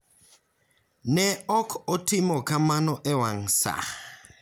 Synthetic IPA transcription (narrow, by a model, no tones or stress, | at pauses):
nɛɔkʰotʰimɔkʰamanɔʔɛwaŋ̩sa̰